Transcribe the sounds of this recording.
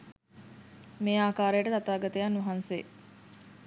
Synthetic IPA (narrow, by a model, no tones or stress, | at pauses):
meːaːkaːɾejəʈət̪at̪aːɡɐt̪əjanːuɦanse